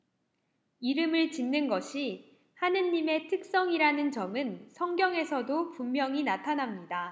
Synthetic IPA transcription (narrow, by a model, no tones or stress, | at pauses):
iɾɯmɯɭt͡ɕinːɯnɡʌɕʰi | hanɯnːime̞tʰɯk̚s͈ʌŋiɾanɯnt͡ɕʌmɯnsʰʌŋɡjʌŋe̞sʰʌdopummːjʌŋinatʰanamɲida